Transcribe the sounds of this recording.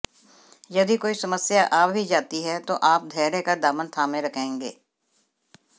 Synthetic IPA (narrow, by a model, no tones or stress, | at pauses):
jɐd̪ikoːisɐməsjaʔaːp̚bʱid͡ʒaːt̪iɦɛt̪oʔaːp̚d̪ʱɛːɾekɐɾd̪aːmənt̪ʰaːmẽɾɐkʰẽːŋɡḛː